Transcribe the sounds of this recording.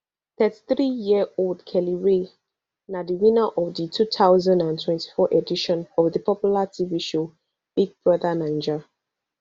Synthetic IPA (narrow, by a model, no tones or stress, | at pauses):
θɛti̥θɹijiəoldkʰɛliɹe | nadiwĩnaʔɔvditʰutʰaʊzãndãntʰwɛ̃nti̥fɔʔediʃɔ̃nɔvðəpʰɔpjulatʰiviʃo | b̥iɡ̚bɹɔðanãɪ̃nd͡ʒa